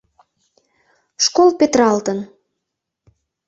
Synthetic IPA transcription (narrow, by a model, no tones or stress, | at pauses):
ʃkolpet̪ɾɑlt̪ən